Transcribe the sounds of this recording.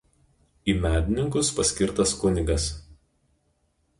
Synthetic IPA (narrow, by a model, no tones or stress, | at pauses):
iːmʲæːd̪ʲɪnʲɪŋk̬ʊspɐsʲkʲɪɾt̪ɐskʊnʲɪɡɐs